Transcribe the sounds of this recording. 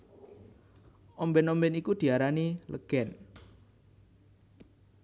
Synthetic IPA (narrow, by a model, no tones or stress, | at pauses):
ʔɔmbɛnɔmbɛnikud̪̥i̤aɾanilə̰ɡ̥ɛn